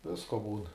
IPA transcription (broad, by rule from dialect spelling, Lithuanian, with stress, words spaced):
ˈʋʲɪskoː ˈbuːn